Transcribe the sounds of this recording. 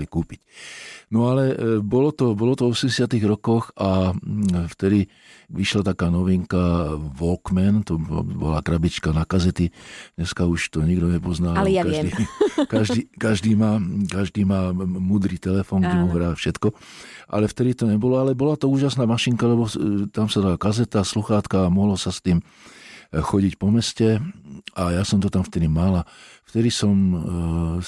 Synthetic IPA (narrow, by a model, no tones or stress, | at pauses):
likuːpicnɔalɛbɔlɔt̪ɔbɔlɔt̪ɔvɔsɛmɟɛsɪat̪iɣɾɔkɔxa | ft̪ɛd̪i | ʋiʃlat̪akaːnɔʋiŋkaʋɔlkmɛnt̪ɔ̰bɔ̰la̰kɾabit͡ʃkanakazɛt̪idɲɛskauʃt̪ɔɲiɡd̪ɔɲɛpɔznaːaakaiːkaʒd̪iːkaʒd̪iːmaːkaʒd̪iːmaːmuːd̪ɾiːt̪ɛlɛfɔːŋɡɟɛmuɦɾaːfʃɛt̪kɔʔa̰lɛft̪ɛd̪it̪ɔɲɛbɔlɔalɛbɔlat̪ɔuːʒasnaːmaʃiŋkalɛbɔt̪amsad̪alakazɛt̪asluxaːt̪kaːmɔɦlɔsast̪iːm | xɔɟicpɔmɛscɛajasɔmt̪ɔt̪amft̪ɛd̪imalaft̪ɛd̪isɔm